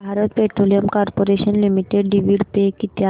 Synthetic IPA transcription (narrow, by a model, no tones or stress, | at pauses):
bʱaɾɔt̪̚peʈɾolijəmkɔɾpoɾeɕənlimiʈeɖɖiʋiɽpekit̪ja